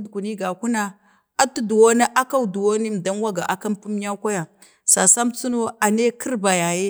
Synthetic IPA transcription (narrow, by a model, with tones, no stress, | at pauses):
dku˨ni˦ɡa˨ku˦na˨ | a˦tu˦du˨wo˦na˦ʔa˦ka˦wdu˨wo˦ni˦m˨da˦n˦wa˦ɡa˨ʔa˨ka˦mpu˦m˦ja˦ka˦ja˨ | sa˨sa˦mt͡su˦no˦a˨ne˦kʰi˦ɾba˨ja˨je˦